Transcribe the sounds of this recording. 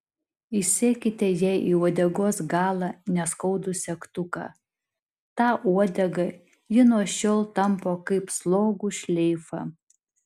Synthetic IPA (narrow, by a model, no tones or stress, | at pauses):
ɪsʲeːkʲɪt̪ʲɛjɛʔiːuɔd̪ʲɛɡoːsɡɑːlˠɑnʲɛskɐʊd̪ʊsʲɛkt̪ʊkɑ̰ː | t̪ɑːʔuɔd̪ʲɛɡɐ | jɪnuɔʃʲoːlˠt̪ɐmpoːkɐɪpslˠoːɡuʃʲlʲɛɪfɑ̰ː